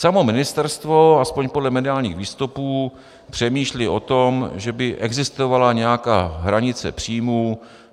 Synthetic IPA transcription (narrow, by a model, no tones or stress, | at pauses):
samo̞mɪnɪst̪ɛɾst̪vo̞aspo̞ɲpodlɛmɛdɪaːlɲḭːxviːst̪upuː | pr̝̥ɛmiːʃlɪʔo̞t̪o̞mʒɛbɪʔɛɡzɪst̪o̞valaɲɛjakaːɦɾaɲɪt͡sɛ̰pr̥iːmu